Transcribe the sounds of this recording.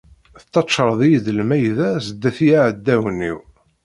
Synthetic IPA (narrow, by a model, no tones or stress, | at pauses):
θət̪ːɑʃəɾˤðˤijðəlmæjðæsəd̪ːæθijaʕəd̪ːæwənːḭw